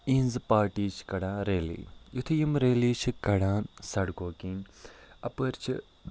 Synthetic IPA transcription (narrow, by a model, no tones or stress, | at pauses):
ĩːnzpaːɾʈiːt͡ʃʰkɐɽãːɾeːlḭːjut̪ʰijimɾeːliːt͡ʃʰkɐɽãːnsɐɽkoːkiːnɐpəɾt͡ʃʰi